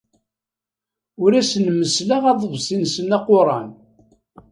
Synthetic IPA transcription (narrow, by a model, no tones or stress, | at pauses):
ʊɾæsənməslaʁɑðˤəvsinsənːɑqːʊɾˤɑn